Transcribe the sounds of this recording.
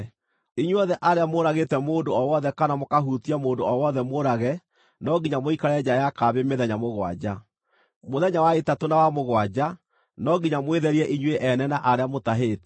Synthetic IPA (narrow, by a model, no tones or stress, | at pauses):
iɲweɔðɛʔaɾeamoɾaɣetɛmoːndoɔwɔðɛkanamokaɦutiamoːndoɔwɔðɛmoɾaɣɛ | nɔɡiɲamoikaɾɛd͡ʑajakaβemeðɛɲamoɣwa̰d͡ʑa | moðɛɲawaetatonawamoɣwad͡ʑa | nɔɡiɲamweðɛɾiɛʔiɲweʔɛnɛnaʔaɾeamotaɦetɛ̥